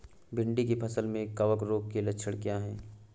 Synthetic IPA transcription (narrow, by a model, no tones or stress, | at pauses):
bʱɪ̃ɳɖikipʰɐsəlmẽkɐʋəkɾoːk̚kelɐtːʃʰəɽ̃kjaːɦɛː